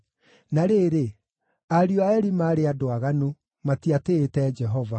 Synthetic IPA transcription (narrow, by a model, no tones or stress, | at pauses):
naɾeːɾe | aɾiɔaɛɾimaːɾeadoaɣanu | matiateːtɛd͡ʒɛɦɔva